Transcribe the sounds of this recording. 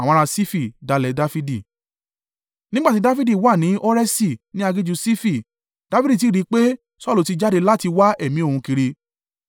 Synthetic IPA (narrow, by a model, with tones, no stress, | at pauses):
a˨w̃ɔ̃˧ɾa˧si˦fi˦˨da˨˧lɛ˨˦da˦fi˦di˦˨ | nĩ˦ɡ͡ba˦ti˨˦da˦fi˦di˦˨wa˦˨nĩ˨˦ʔo˦ɾɛ˦si˦˨nĩ˦a˧ɡe˦d͡ʒu˧si˦fi˦˨ | d̥a˦fi˦i˦˨t̬i˦˨ɾi˨˦k͡pe˦ | sɔ˦lu˨˧ti˧d͡ʒa˦de˧la˦ti˧wa˦ɛ˦˨mĩ˨˦o˦˨ũ˧ki˧ɾi˧